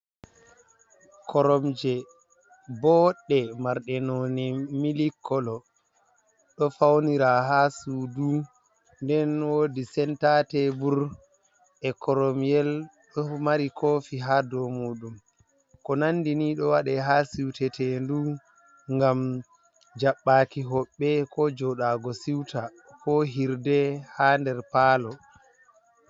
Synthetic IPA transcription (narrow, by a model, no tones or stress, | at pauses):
kʰɔɾɔmd͡ʒɛ | bɔɗːɛmaɾɗɛnonimilikʰːɔlɔ | ɗɔfawniɾaɦasudu | ndɛnwodisɛntatɛbuɾ | ʔɛkɔɾɔmijɛlɗɔmaɾikʰoːfiɦadɔmuːɗum | kɔnanːdiniɗɔwaɗɛɦasiwtɛtɛndu | ŋɡam | d͡ʒaɓːaːkiɦɔɓːɛkɔd͡ʒɔɗaːɡɔsiwta | kɔɦiɾdɛhandɛɾpaːlɔ